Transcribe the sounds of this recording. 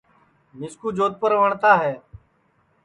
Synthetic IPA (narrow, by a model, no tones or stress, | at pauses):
mɪskuːd͡ʒoːt̪̚pəɾʋəɳt̪aːɦɛː